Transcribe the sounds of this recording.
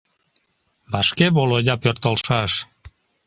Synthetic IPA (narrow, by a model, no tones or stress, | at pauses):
bɑʃkeβolojɑpørt̪əlʃɑʃ